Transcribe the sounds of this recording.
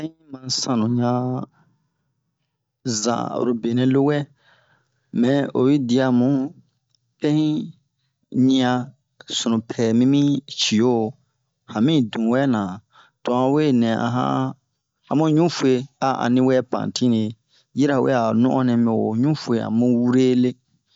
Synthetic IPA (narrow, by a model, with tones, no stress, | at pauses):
pɛ̃˦hĩ˦mã˧˨sã˨nũ˨ɲã˧ | zã̰˨o̰˨ɾo˨be˨nɛ̃˧lo˦wɛ˦ | mɛ̃˨o̰˨ji˦di˧a˧mũ˦ | pɛ̃˦hĩ˦ | ɲĩ˧ã˧ | sũ˨nũ˨pʰɛ˨mĩ˦mĩ˦t͡ʃi˨o˦˨ | hã˨mĩ˦˨dũ˨wɛ˦nã˨ | tɔ˨ã˧we˦nɛ̃˨ã̰˧ɦã̰˦ | a˨mũ˦ɲũ˦fu˦e˧a˦ã̰˨nĩ˦wɛ˦pã̰˨tʰĩ˦ne˨ | ji˦ɾa˨wḛ˦a˨nũ˦ʔɔ̃˦nɛ̃˧mĩ˨o˨ɲũ˦fu˦e˨a̰˨mũ˦wu˦ɾe˦le˦